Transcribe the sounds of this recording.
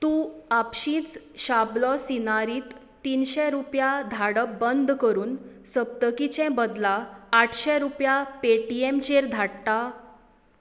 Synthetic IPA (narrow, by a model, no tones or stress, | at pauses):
t̪ũːapɕĩːt͡sɕablɔsinaɾiːt̪ː | inɕɛɾupjad̪ʱaɽəbənd̪ʱkəɾuːnsəb̚t̪əkit͡ɕɛ̃bəd̪laːʈʰɕɛɾupjapeʈiemt͡ɕeɾd̪ʱaɽt̪a